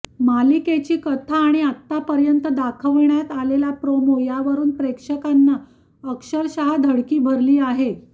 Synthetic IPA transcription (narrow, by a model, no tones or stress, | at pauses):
maliket͡ɕiːkət̪ʰaːɽ̃iat̪ːapəɾjənt̪əd̪akʰəʋɳjat̪alelapɾomojaʋəɾuːnpɾekʂəkanːa | əkʂəɾɕaɦad̪ʱəɽkiːbʱəɾliːaɦe